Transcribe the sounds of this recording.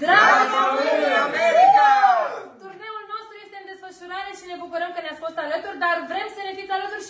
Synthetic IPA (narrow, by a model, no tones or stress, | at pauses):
d̪ɾaeme | t̪urne̞ulno̞st̪ɾuje̞st̪eɨmd̪e̞sfəʃuɾaɾeʃine̞bukuɾəmkəneat̪sʲfo̞st̪alət̪urʲd̪arvɾe̞msənevit̪alət̪uɾ